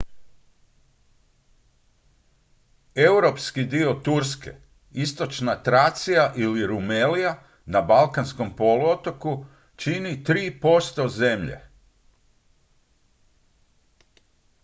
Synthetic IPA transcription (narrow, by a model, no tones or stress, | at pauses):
e̞uwɾo̞pskid̪io̞t̪uɾske̞̰ | ist̪o̞t͡ʃnat̪ɾat̪sijaʔiliɾumelija | nabalˠkansko̞mpo̞luot̪o̞ku | t͡ʃinit̪ɾiːpo̞st̪o̞ze̞mʎḛ